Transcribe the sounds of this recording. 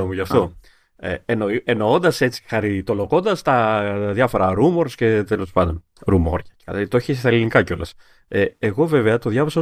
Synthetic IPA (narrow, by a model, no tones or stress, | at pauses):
omuʝɐft̪o̞ | ḛenoie̞no̞o̞nd̪ɐse̞t͡si̥xɐɾit̪o̞lo̞ko̞nd̪ɐst̪ɐðʝɐfo̞ɾɐɾumo̞ɾsce̞t̪elo̞spɐnd̪o̞n | ɾumo̞ɾʝɐɐt̪o̞çist̪ɐelinikɐco̞lɐs | eeɣo̞ve̞ve̞ɐt̪o̞ðʝɐvɐsɐ